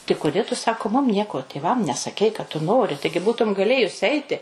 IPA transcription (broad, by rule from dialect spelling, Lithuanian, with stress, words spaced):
tʲɪ kʊˈdʲeː tʊ ˈsɑːkoː ˈmʊm ˈnʲiɛkoː tʲeːˈʋɐm nʲɛsɐˈkʲɛɪ kɐt tʊ ˈnoːrʲɪ ˈtɐɪɡʲɪ ˈbuːtʊm ɡɐˈlʲeːjʊs ˈɛɪtʲɪ